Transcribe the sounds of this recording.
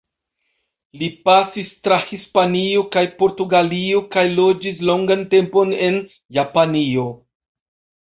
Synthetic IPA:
lipasistɾahispaniokajpo̞ɾtuɡaliokajlo̞d͡ʒis̬lo̞ŋɡante̞mpo̞ne̞n | japanio̞

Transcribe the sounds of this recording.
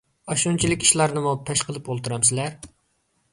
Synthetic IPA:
ɑʃunt͡ʃʰilɪkʲi̥ʃlˠɑɾnɨmupʰɛʃqʰəlˠɨpolˠt̪uɾɑmsɪlæɾ

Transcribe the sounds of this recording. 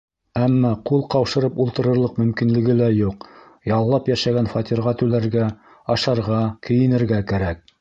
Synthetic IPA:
æmːɑqulˠqɑwʃɤ̆ɾɤpulˠt̪ɤ̆ɾɤ̆ɾlˠɤqmɵ̆mkinlɘ̆ɡɘlæjuq | jɑlˠːɑpjæʃæɡænfɑt̪ʲiɾʁɑt̪ʉlæɾɡæ | ɑʃɑɾʁɑkɵ̆jɘ̆nɘ̆ɾɡækæɾæk̚

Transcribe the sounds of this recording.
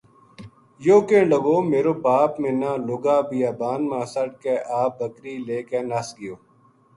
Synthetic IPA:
joːkẽːɖəɡoːmeːɾoːbaːpmẽːnãːlʊɡaːbijaːbaːnmãːsəʈkeːʔaːb̚bəkɾiːleːkeːnasɡɪjoː

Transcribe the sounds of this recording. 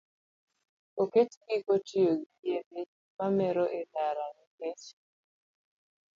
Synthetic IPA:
oket͡ʃɡikotioɡijebe | mamɛɾoʔedaɾaŋiket͡ʃ

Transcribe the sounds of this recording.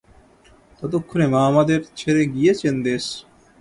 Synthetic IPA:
t̪ɔd̪okʰːunemaːmad̪eɾt͡ɕʰeɾeɡijet͡ɕʰend̪es

